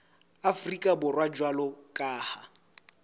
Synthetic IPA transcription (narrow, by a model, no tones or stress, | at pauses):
afrikʼabʊrwad͡ʒwalɔkʼaːha